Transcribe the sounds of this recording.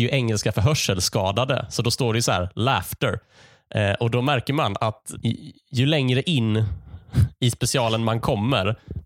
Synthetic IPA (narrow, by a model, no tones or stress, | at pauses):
jɵʔɛŋːəlskafœɾɦœʂəlskɑːd̪ad̪ə̰sɔd̪ɔst̪oːɖɛjɵsɔhæ̰ːɾlæːft̪əɾ | ʔʔɔd̪ɔmæɾkəɾmanat̪ | jɵlɛŋɾəʔɪnː | ɪspɛsɪɑːlənmankʰɔmːəɾ